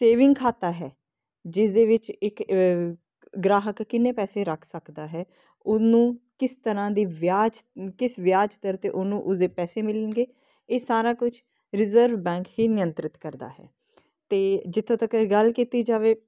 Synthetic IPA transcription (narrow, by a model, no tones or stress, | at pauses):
seːʋɪ̃ŋɡkʰaːt̪aːɦɛː | d͡ʒɪsd̪eːʋɪt͡ʃɪk | ɡɾaːɦəkːɪnːeːpɛːseːɾəkʰsəkd̪aːɦɛː | ʊnũːkɪst̪əɾãːd̪iːʋjaːd͡ʒkɪsʋɪjaːd͡ʒt̪əɾt̪eːʔʊnũːʔʊsd̪eːpɛːseːmɪlənɡeː | eːsaːɾaːkʊt͡ʃʰ | ɾɪzəɾʋbɛ̃ːŋkɦiːnɪjənt̪ɾɪt̪kəɾd̪a̰ːɦɛ̰ː | t̪eːd͡ʒɪt̪ʰːõːt̪əkɡəlkiːt̪iːd͡ʒaːʋeː